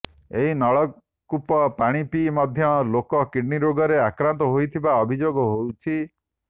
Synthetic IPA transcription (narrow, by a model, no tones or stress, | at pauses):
eɦinɔɭɔ | kupɔpaɽ̃ipimɔd̪ʱjɔlokɔkiɖniɾoɡɔɾeakɾant̪ɔɦojt̪ʰibaɔbʱid͡ʒoɡɔɦowt͡ʃʰi